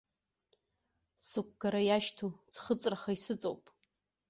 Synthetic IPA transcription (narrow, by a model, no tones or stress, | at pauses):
sɨk̚ʷɡaɾajaʃtʰut͡sʰχət͡sʼraχaisɨt͡sʼo̰wpʼ